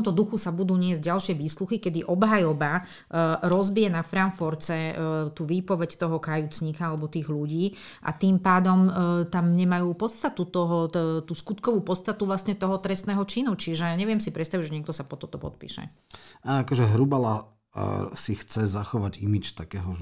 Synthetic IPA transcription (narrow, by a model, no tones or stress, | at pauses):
t̪ɔmt̪ɔd̪uxusabud̪uːɲɪɛzɟɟalʃɪɛʋiːsluxikɛd̪iʔɔbɦajɔba | ɾɔzbijɛnafɾaɱfɔɾt͡sɛt̪uːʋiːpɔʋɛct̪ɔɦɔkajut͡sɲiːkaalɛbɔt̪iːɣʎuɟiː | ʔa̰t̪impaːd̪ɔmt̪amɲɛmajuːpɔt̪st̪at̪ut̪ɔɦɔt̪uːskut̪kɔʋuːpɔt̪st̪at̪uʋlasɲɛt̪ɔɦɔt̪ɾɛst̪nɛːɦɔt͡ʃinut͡ʃiʒɛɲɛʋɪɛmsipɾɛt̪st̪aʋiʒɛɲɪɛkt̪ɔsapɔt̪ɔt̪ɔpɔ̰t̪̚pḭːʃɛ̰ | aːakɔʒɛɦɾubala | sixt͡sɛzaxɔʋaɟḭmit͡ʃt̪akɛːɦɔ